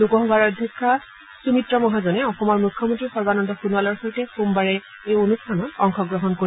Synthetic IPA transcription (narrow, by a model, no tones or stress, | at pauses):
lukɔɦɔbaɹɔdʱjɔkʰːa | sumitɹɔmɔɦazɔnɛɔxɔmɔɹmukʰːɔmɔntɹixɔɹbanɔndɔxunualɔɹxɔjtɛxumbaɹɛ | ejonustʰanɔtɔŋkɔɡɹɔɦɔnkoi